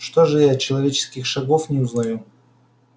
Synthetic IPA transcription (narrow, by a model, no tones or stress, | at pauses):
ʂt̪oʐɨjaɐt̚t͡ɕːɪlˠɐvʲet͡ɕɪ̥skʲɪxʂɐɡofnʲɪʊznɐju